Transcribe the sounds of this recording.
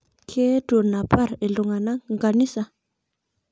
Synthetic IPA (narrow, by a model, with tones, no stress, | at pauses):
kʰe˦d̥o˨na˨pa˦˨ɾe˨lu˨ŋa˨na˦ŋŋɡa˨ni˦sa˨